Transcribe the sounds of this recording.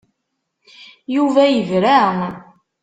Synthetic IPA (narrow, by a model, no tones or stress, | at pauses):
juvæjəvɾæʁ